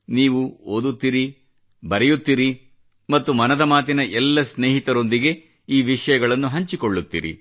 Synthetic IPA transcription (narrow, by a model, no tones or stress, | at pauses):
niːʋuoːd̪ut̪ːiɾi | bɐɾɛjut̪ːiːɾi | mɐt̪ːumɐnɐd̪ɐmaːt̪̬inɐʔɛlːɐsneːɦit̪ɐɾo̞nd̪iɡe̞ | iːʋiʂɐjɐɡɐɭɐnːuɦɐɲt͡ʃikoɭːut̪ːḭːɾḭ